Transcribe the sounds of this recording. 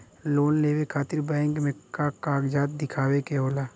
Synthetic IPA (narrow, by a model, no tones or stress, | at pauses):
loːnleːʋekʰaːt̪ɪɾbɛ̃ːɪŋkmẽkakaːɡd͡ʒaːt̪̚d̪ɪkʰaːwekeɦoːlaː